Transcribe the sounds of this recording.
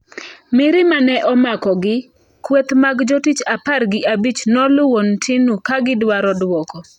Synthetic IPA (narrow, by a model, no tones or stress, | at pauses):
mɪɾɪmanɛʔɔmakɔɡɪ | kwɛt̪maɡd͡ʒotit͡ʃaparɡɪabit͡ʃnɔlʊwontʰɪnukaɡɪdwaɾɔdwɔkɔ